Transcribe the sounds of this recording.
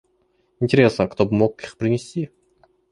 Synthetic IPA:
ɪnʲtʲɪɾʲe̞snəkt̪o̞bɨmo̞kixpɾʲɪnʲɪsʲtʲi

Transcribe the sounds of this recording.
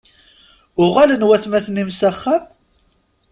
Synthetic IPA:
ʊʁælənwæθmæθnimsæχːæm

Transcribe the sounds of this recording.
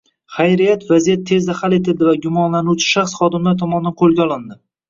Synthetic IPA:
χajɾijat̪vazijat̪ʰːe̞zd̪ahalet̪ʰɪld̪ɪvaɡʲʊmɒnlanuwt͡ʃʰɪ̥ʃaχsχɒd̪ɪmlaɾt̪ʰɒmɒnd̪anqʰolˠɡʲaɒlˠɪnd̪ɪ

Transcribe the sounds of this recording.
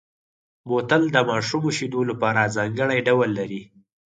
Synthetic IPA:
bot̪əld̪əmɑʃumoʃid̪olapɑɾazɑŋɡəɽajɖawəlːaɾi

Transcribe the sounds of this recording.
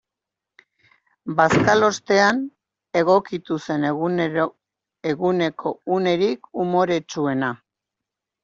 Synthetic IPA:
baskalo̞st̪e̞an | e̞ɣ̞o̞kit̪use̞n | eɣune̞kʰo̞une̞ɾikumo̞ɾe̞t͡sue̞na

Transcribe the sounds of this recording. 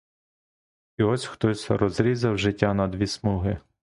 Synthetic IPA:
iɔsʲxt̪ɔsʲrɔzɾʲizɐwʒɪtʲːanɐd̪ʋʲismuɦɪ

